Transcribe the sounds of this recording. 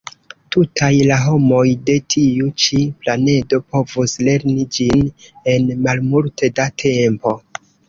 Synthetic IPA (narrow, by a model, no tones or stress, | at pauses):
tutʰajlaɦo̞mo̞jde̞tʰiut͡ʃiplane̞do̞po̞vusle̞ɾnid͡ʒine̞nmalmulte̞datʰe̞mpo̞